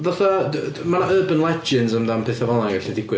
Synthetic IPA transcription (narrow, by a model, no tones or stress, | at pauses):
ðaθamanaəːbənlˠɛd͡ʒɪnzəmdampʰɨːθavɔlˠaɡaɬidɪɡwɪ